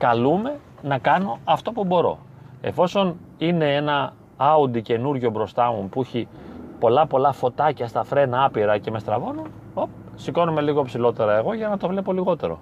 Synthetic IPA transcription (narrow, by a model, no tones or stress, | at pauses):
kɐlume̞ | nɐkɐno̞ɐft̪o̞pubo̞ɾo̞̰ | e̞̰fo̞so̞nine̞enɐ | ɐund̪ice̞nuɾʝo̞bɾo̞st̪ɐmupuiçipo̞lɐpo̞lɐfo̞t̪ɐcɐst̪ɐfɾe̞nɐɐpiɾɐce̞me̞st̪ɾɐvo̞no | op | siko̞nome̞liɣo̞epsilo̞t̪e̞ɾɐe̞ɣo̞ʝɐnɐt̪o̞vle̞po̞liɣo̞t̪e̞ɾo̞̰